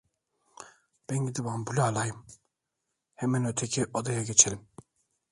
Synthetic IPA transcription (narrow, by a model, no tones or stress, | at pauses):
b̥ænɟid̪ibanbulʲaːlˠajɯm | hemænøt̪ʰecʰiʔod̪ajaɡe̞t͡ʃʰelʲim